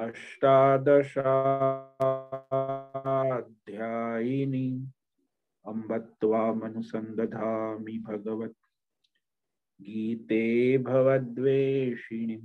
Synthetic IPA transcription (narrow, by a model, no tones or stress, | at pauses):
ɐʃʈaːd̪ɐʃaː | d̪ʱjaːjini | ɐmbɐt̪ʋaːmɐnusɐnd̪ɐd̪ʱaːmibʱɐɡɐʋɐt̪̚ | ɡiːt̪eːbʱɐʋɐd̪ʋeːʃiɳi